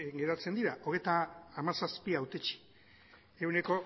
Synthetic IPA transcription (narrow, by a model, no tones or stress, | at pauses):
ɡe̞ɾat͡se̞nd̪iɾaʔo̞ɣe̞jt̪aːmasaspiawt̪et͡ʃi̥ | ewne̞ko̞